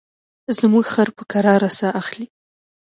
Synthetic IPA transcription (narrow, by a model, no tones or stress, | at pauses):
zəmuɡxaɾpəkaɾɑɾasaʔaxli